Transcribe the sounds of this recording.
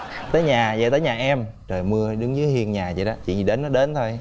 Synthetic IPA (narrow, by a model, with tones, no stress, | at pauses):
t̪əː˨˦jɲaː˨˩zə̰˧˨jt̪əː˨˦jɲaː˨˩ʔɛ˧m | t͡ɕəː˨˩jmɨ˧əɗɨ˨˦ŋzɨ˨˦hi˧ənɲaː˨˩t͡ɕḭ˧˨˦ɗɔ˨˦t͡ɕḭ˧˨ɲi˨˩ɗe˨˦nːɔ˨˦ɗe˨˦nt̪ʰo˧j